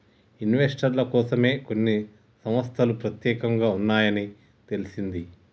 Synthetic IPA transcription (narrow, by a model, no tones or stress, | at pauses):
inʋesʈɐɾlɐkɔːsɐme̞ːko̞nːi | sɐmʋɐst̪ʰɐlupɾɐt̪jɛːkɐŋɡaːunːaːjɐni | t̪e̞lisind̪i